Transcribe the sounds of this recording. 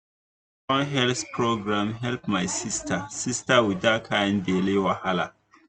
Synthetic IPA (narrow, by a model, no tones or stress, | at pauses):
ɔ̃nɦɛlθpʰɹoɡɾãmɦɛlpmajsistʰasistawidakʰajɛ̃ndelewahala